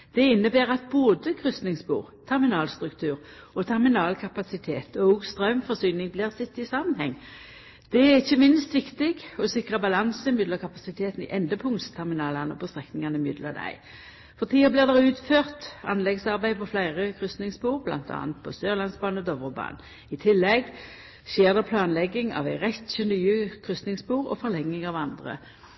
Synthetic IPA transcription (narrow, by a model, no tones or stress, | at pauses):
d̪̥ɛɪnːəbeːʁɑt̪̚boːd̪əkʰʁʏst̪nɪŋsbṵːʁt̪ʰɛʁmɪnɑːlst̪ʁʉkt̪ʰʉːʁ | ɔt̪ʰɛʁmɪnɑːlkʰɑpɑsɪt̪ʰeːt̪ʰɔʊɡst̪ʁœʉmfɔʁsyːnɪŋblɪːʁsɪt̪ːɪsɑmənhɛŋː | d̪̥ɛæɪçːəmɪnst̪ʋɪkt̪ɪɡɔsɪkʁɑbɑlɑnsəɪmʏd̪ləkʰɑpɑsɪt̪ʰeːt̪n̩ɪ̰ʔɛnd̪əpʰʊŋt̪st̪ʰɛʁmɪnɑːlɑnɔ̰pʰɔst̪ʁɛknɪŋɑnəmʏd̪ləd̪æ̰ɪ | fɔʁt̪ʰiːəblɪʁd̪ɛʁʉːt̪føːʁt̪ɑ̰nlɛɡsɑʁbæɪpʰɔflæɪʁəkʰʁʏst̪nɪŋsbuːʁblɑ̰nt̪ɑ̰ːnt̪̚pʰɔsøːʁlɑnsbɑːnəɔd̪ɔʋəbɑ̰ːn | ɪt̪ʰɪlːɛɡ | ɕeːʁd̪ɛpʰlɑːnlɛɡːɪŋɑ̰ʋæɪʁɛt̪ʃənyːəkʰʁʏst̪nɪŋsbuːʁɔ̰fɔlɛŋːɪŋɑʋɑnd̪ʁə̰